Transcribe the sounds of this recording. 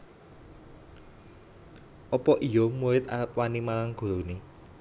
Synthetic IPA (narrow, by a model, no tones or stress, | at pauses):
ʔɔpɔʔijɔmuɪt̪a̰əp̚wanimalaŋɡ̥o̤ɾone